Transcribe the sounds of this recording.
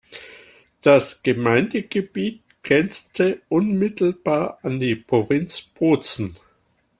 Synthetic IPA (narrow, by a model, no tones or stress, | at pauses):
d̥asɡ̥əmaɪndəɡ̥əb̥iːt̚ɡ̥ʁɛnt͡stʰəʔʊnmɪtl̩b̥aːɐʔandiːpʁ̥ovɪnt͡sb̥oːt͡sn̩